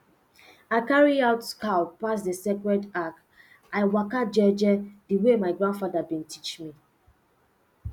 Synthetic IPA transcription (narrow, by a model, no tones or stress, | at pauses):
aɪkaɹiaʊtkaʊpas̬dəsekɹɛdak | ʔaɪwakad͡ʒɛd͡ʒɛdiwemaɪɡɹãndfadabĩntʰi̥t͡ʃmi